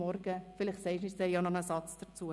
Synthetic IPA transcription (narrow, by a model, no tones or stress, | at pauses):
ɔɾɡəfɪlɪχtsɛɪʃɪsd̥ɛjɑnɔnəsɑt͡sd̥əɾt͡suə